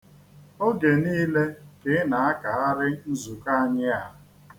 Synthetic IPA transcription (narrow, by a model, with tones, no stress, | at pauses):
o˦ɡe˨niː˦le˦ke˨˦na˨a˦ka˨a˦ɾɪ˦n̩˦zu˨ka˦a˦˨ɲɪ˦a˨˦˨